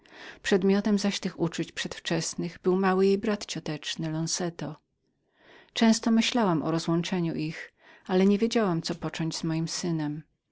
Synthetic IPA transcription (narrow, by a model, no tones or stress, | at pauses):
pʂɛd̪mʲjɔt̪ɛmzaɕt̪ɘxut͡ʂut͡ɕpʂɛt̪ft͡ʂɛsnɘɣbɘwmawɘjejbɾat̪t͡ɕɔt̪ɛt͡ʂnɘlɔnsɛt̪ɔ | t͡ʂɛ̃w̃st̪ɔmɘɕlawamʔɔ̰ɾɔzwɔnt͡ʂɛɲuʔix | alɛɲevʲjed͡ʑawamt̪sɔpɔt͡ʂɔ̃ɲd͡ʑzmɔjimsɘnɛm